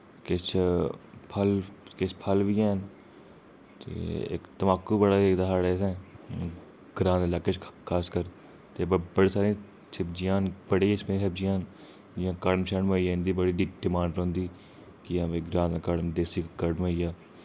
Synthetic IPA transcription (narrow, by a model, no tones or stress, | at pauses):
kɪt͡ʃʰ | pʰəlkɪt͡ʃpʰəlʋiãːn | t̪ḛːɪ̰kt̪əmaːkːuːbəɽaːeːd̪aːɦaːɽeːsɛ̃ː | ɡ̥ɾãːnlaːkeːt͡ʃkʰaːskəɾ | t̪eːbbəɽeːsaːɾĩː | t͡ʃʰɪb̚d͡ʒɪjãːnbəɽeːsmẽsəbd͡ʒɪjãːn | d͡ʒɪjãːkəɽmt͡ʃʰəɳməːiːjãːnd̪iːbəɽiːɖiɖɪmaːɳɖɾõːnd̪iː | kɪapeːɡɾãːnːkəɽmd̪eːsiːkkəɽmoːiːjaː